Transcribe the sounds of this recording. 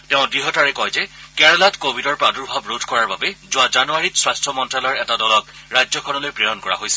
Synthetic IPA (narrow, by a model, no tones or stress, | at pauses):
tɛʊ̃dɹiɦɔtaɹɛkɔjzɛkɛɹɔlatkobʱidɔɹpɹadɔɹbʱabɹodʰʱkɔɹaɹbabɛzʊazanuaɹitswajstʰɔmɔntɹalɔɹɛtadɔlɔkɹajzɔkʰɔnɔlojpɹɛjɔnkɔɹa̰ɦojsɛ̥